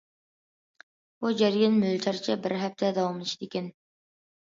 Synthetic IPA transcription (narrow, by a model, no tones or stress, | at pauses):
b̥ud͡ʒɛɾjɑnmylt͡ʃ̪ʰɑɾt͡ʃʰɛbɪɾɦɛp̚t̪ʰɛd̪ɑwɑmlˠɨt͡ʃʰid̪ɪkʲɛn